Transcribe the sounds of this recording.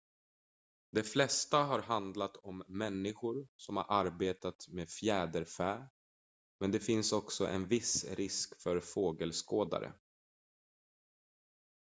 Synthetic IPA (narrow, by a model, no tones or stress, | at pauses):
d̪ɛflɛst̪aɦaɾɦand̪lat̪ʰɔmːɛnːɪɧʊɾsɔmha̰ɾʔaɾbeːt̪at̪meːfjæːd̪əɾfæː | mɛnd̪ɛfɪnsɔksɔ̰ʔɛ̰nvɪsɾɪskfœɾfoːɡəlskoːd̪a̰ɾə̰